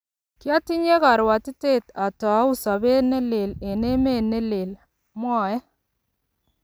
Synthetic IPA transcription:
kja˦ti˦ɲe˦ka˨ɾwa˨ti˦te˦˨ta˨ta˨˦u˦sa˨be˦ne˦le˨le˨ne˦me˦˨ne˦le˨l | mwa˨jɛ˦

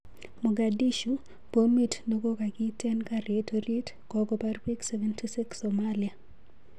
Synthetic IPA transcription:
mɔ˨ɡa˨di˦ʃu˨ | po˦mi˦tno˦ɡo˦ka˨ɡɪ˦tɛ˦nka˦ɾetoɾi˦t | kɔɡɔpa˦rpi˦ksɛvɛ˦ntʰi˦si˦ksɔmalia˨

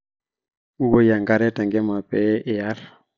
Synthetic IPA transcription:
u˦ɡo˦ja˨ŋɡa˦ɾɛ˦tɛ˨ŋɡɛ˦ma˨pɛ˦ʔːja˦ɾ

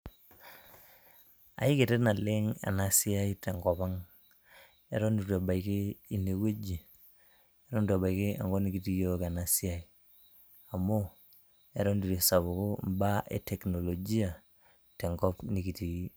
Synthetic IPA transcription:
a̰˨i˦ke˨tɛ˦na˨lɪ˦ŋa̰˨na˦si˦a˦i˦tɛ˨ŋɡɔ˨pa˦ŋ | e˦ɾɔ˦ndu˨tu˨a˨ba˨ikɪ˦i˨ne˨we˦d͡ʒi˨ | e˦ɾɔ˦ndu˨a˨ba˨i˨kɪ˦a̰˨ŋɡɔ˦ni˦ki˨ti˦jɔ˦ka˨na˦si˦a˦i˨ | a˨mo˦ | ɛ˨ɾɔ˦ndu˨ɾi˨sa˨βʊ˨kʊ˦mba˦ʔḛ˨tʰɛ˨kno˨lo˨d͡ʒi˦a˨ | tɛ˨ŋɡɔ˦pni˨ki˨ti˦

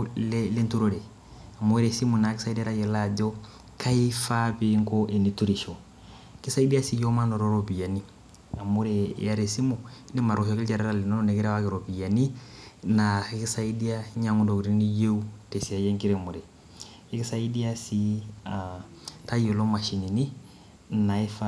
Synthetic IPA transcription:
lɛ˦le˦ntu˦ɾo˦ɾɛ˨ | a˨mo˦ɾe˨si˦mu˨na˨˦ki˦sa˦i˦di˦ɾa˦jɛ˨la˦˨d͡ʒɔ˦ | kʰa˦i˦fa˦pe˦ŋkɔ˦ʔe˨ni˨tu˦ɾi˨ʃɔ˨˦ | ki˦sa˦i˦di˦a˦si˦jɔ˦ma˦nɔ˨ɾɔ˦ɾɔ˨bi˨ja˨ni˦ | a˨mu˦ɾɛ˨˦ja˦ɾe˨si˦mu˨i˦ni˦ma˨ɾɔ˨ʃɔ˦ki˦ld͡ʒa˨ɾɛ˦ɾa˦˨li˨nɔ˦nɔ˦nɛ˨ki˦ɾa˦wa˦kɛ˨ɾo˨bi˨ja˨ni˦na˨i˦ki˦sa˦i˦di˦a˦ɲa˨˦ŋu˦ndo˨ku˨ɾi˦ni˦je˦u˦te˨si˨a˨jɛ˦ŋki˦ɾɛ˨mu˨ɾɛː˨˦ | ki˦sa˦i˦di˦a˦si˦a | ta˦jo˨lo˦ma˨ʃi˨ni˨ni˦ | na˨i˦fa

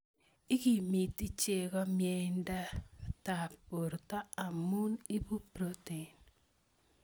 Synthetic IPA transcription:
i˦ɡi˨mi˨ti˦t͡ʃe˨ɡɔ˦mjɛ˦nda˦ta˨po˨ɾta˦a˨mu˦ni˦bu˦pɾo˦te˨n

